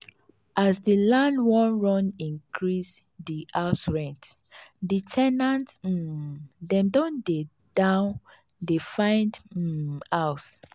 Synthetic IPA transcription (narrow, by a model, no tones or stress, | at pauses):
ʔasdilãndwɔ̃nɹɔ̃nĩnkʰɹis | diaʊsɹɛ̃nt | ditʰɛnãnt̩ | dɛ̃mdõnde | d̥ãʊn | defãɪ̃nd̩ | aʊs